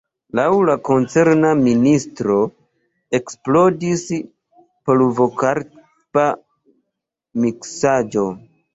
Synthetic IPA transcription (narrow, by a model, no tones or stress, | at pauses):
lawlako̞nt͡se̞ɾnaministɾo̞ | e̞ksplo̞dis | poluvokaɾ | pa | miksad͡ʒo̞